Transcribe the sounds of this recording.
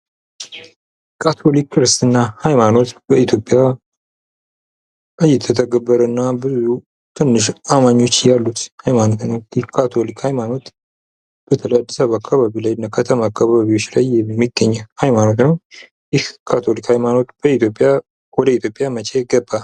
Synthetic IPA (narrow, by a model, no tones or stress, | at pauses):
kʰat̪ʰo̞likʰːɨɾɨst̪ɨnːahajmano̞t̪bəit̪ʰjo̞pʼːja | ʔɨjːɛt̪ʰːət̪ʰəɡəbːəɾənːabɨzu | t̪ʰɨnːɨʃamaɲːo̞t͡ʃːjalːut̪hajmano̞t̪nəwɪhkʰːat̪ʰo̞likhajmano̞t̪ | b̥ət̪ʰələjad̪ːəsaβakʰːaβaβilajɨnːakʰət̪ʰəmaːkʰːaβaβio̞t͡ʃːlajɛːiɡːəɲːɛhajmano̞t̪nəw | jɪhkʰat̪ʰo̞likhajmano̞t̪b̥əit̪ʰjo̞pʼːja | wɔd̪əit̪ʰjo̞pʼːjamət͡ʃʰɛjɛɡəbːa